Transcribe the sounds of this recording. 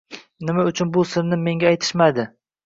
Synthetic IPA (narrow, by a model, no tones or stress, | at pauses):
nɪmaʊt͡ʃʰʊnbʊsɪɾnɪme̞ŋɡʲaajt̪ʰɪ̥ʃmad̪ɪ